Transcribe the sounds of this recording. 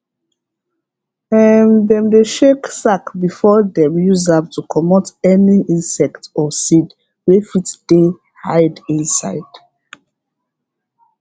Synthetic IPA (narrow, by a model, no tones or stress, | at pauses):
ɛndɛ̃mdeʃeksakbifɔdɛ̃mjuzap̚tukʰɔmɔtɛniĩnsɛktɔsid | wefitd̥e | haɪdĩnsa̰ɪd̥